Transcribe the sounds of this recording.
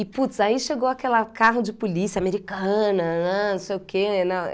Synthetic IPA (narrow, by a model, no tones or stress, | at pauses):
ɪput̪saiʃeɡowakɛlɐkaɦʊd͡ʒɪpulisiɐameɾikɐ̃nɐanɐ̃sejʊkʰenɐ̃w̃